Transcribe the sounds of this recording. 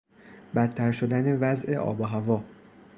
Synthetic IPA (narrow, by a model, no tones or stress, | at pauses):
bæt̪ʰːæɾʃod̪æne̞væzʔe̞ʔɒ̰ːbɒɦævɒː